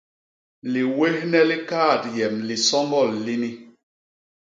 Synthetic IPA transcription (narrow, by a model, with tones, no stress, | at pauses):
li˨we˦hnɛ˦li˦kaː˦˨tjɛ˨mli˨sɔ˦ŋɡɔ˦˨lːi˦ni˦